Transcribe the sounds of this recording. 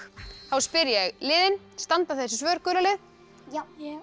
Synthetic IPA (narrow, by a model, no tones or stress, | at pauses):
θawspɪɾjɛɣlɪːðɪn | st̪ant̪aθɛsɪsvœːɾkœːɾlalɪð